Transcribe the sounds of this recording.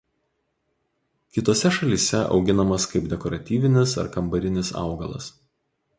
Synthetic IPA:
kʲɪt̪oːsʲɛʃɐlʲiːsʲɛɒ̰ʊɡʲɪnɐmɐskɐɪbd̪ʲɛkɔɾɐt̪ʲiːʋʲɪnʲɪsɐ̰ɾkɐmbɐɾʲɪnʲɪsɑ̰ˑʊɡɐlˠɐ̰s

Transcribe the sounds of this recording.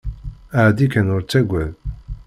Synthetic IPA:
aʕd̪ikænʊɾt͡sːæɡʷæð

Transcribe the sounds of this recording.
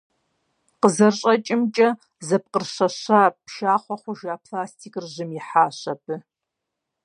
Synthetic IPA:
qəzɐrɕʼɐt͡ʃʼɪmt͡ʃʼɐ | zɐp̚qərɕɐɕaːpʃaːχʷɔχʷʊʒaːpʰlaːstʰiːkʼrʑɪmjɪħaːɕɐp̚ʰɨ

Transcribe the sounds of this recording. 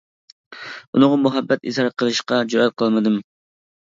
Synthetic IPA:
unɨŋɑmuɦɛbːɛt̪ḭzɑɾɑt̪̚qʰəlˠɨʃqɑd͡ʒoɾɛt̪̚qʰəlˠmɨd̪ɨm

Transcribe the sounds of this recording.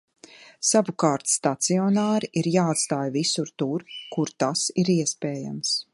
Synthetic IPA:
savukaːɾt̪st̪at̪siɔnaːɾiʔiɾjaːat̪st̪aːjvisuɾt̪uɾkuɾt̪asiɾiɛspɛːja̰ms

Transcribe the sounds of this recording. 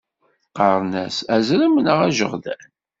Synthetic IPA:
qɑɾˤnæsæzɾəmənəʁæʒə̰ʁðæn

